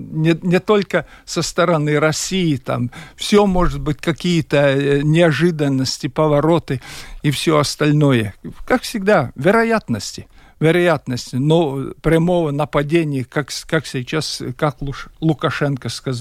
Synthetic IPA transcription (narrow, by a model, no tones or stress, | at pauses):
nʲɪnʲɪt̪o̞lʲkə | səst̪əɾɐnɨɾɐsʲijɪt̪a̰mfsʲomo̞ʐɨt̪̚bɨtʲkɐkʲijət̪ənʲɪɐʐɨd̪ənːəsʲtʲɪpəvɐɾo̞t̪ɨifsʲoɐst̪ɐlʲno̞jəkakfsʲɪɡd̪avʲɪɾɐjat̪nəsʲtʲɪ | vʲɪɾɐjat̪nəsʲtʲɪnopɾʲɐmo̞vənəpɐdʲenʲɪjəkakkaksʲɪt͡ɕaskaklˠlˠʊkɐʂɛnkəskɐz